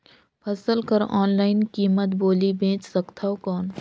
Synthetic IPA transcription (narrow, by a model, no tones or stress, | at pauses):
pʰɐsəlkəɾɔ̰ːnlaːɪnkiːmət̪boːlibʱẽːt͡ʃsɐkt̪ʰaːɦokɔːn